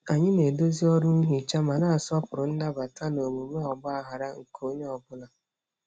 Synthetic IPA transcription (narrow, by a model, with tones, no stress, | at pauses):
a˨ɲɪ˦ne˨do˦zi˦ɔ˦ɾʊ˦n̩˦ɦi˨t͡ʃa˦ma˨na˦a˨sʊ˦ɔ˦pʊ˨ɾʊ˨n̩˦da˦ba˨ta˦no˨mu˨me˦ɔ˨bʊ˦a˦ɦa˨ɾa˦ŋ̩˨kʰo˦ɲe˦ɔ˨bʊ˦la˨